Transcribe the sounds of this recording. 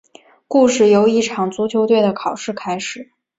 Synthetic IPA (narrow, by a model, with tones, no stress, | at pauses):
ku˥˧ʂɻ̩˥˩jo˧˥ʊi˥˩ʈ͡ʂʰɑ˨˩ŋt͡su˧˥t͡ɕʰjo˧˥ʊt̪we˥˩ɪd̪ə˩kʰɑ˨˩ʊʂɻ̩˥˩kʰa˥ɪʂɻ̩˨˩˦